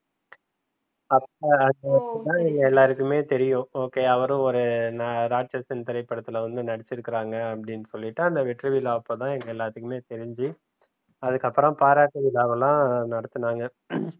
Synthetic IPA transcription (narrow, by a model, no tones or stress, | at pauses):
ɐpːɐɐnd̪ɐt̪ãːɛŋɡɐɛlːaːɾɯkːɯmeːt̪ɛɾɪjʊ̃oːkeːɐʋɐɾʊ̃ɔɾɯnaɾaːʈ̚t͡ʃɐsɪnt̪ɪɾɐɪpːɐɽɐt̪ːɪlʋɐnd̪ɯnɐɽɐt͡ʃːɪɾɯkːɪɾaːŋɡɐɐpːɐɽɪnːɯsɔlːɪʈːɯɐnd̪ɐʋɪʈɾɯʋɪlaːɐpːoːt̪ãːɛŋɡɐɛlːaːt̪ɯkːɯmeːt̪ɛɾɪɲd͡ʒi | ɐðɯkːɐpːɯɾɐ̃mpaːɾaːʈːɯʋɪlaːʋɐlãːnɐɽɐt̪ːɯnaːŋɡɐ